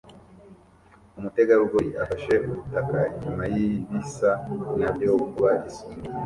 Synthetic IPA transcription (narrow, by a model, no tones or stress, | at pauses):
umute̞ɡaɾuɡoɾiafaʃe̞ʔuɾutakaiɲumajiβisanamdeokuɡuβadisu